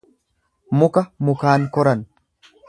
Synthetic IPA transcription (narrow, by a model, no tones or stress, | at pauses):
mʊkɐmʊkaːŋkɔɾɐn